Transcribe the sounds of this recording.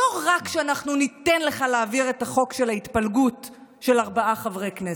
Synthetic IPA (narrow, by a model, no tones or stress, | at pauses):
oʁakʃeanaχnunit̪enle̞χaleaviʁetaχo̞kʃe̞laitpalɡut | ʃe̞laʁbaʔaχavʁejknes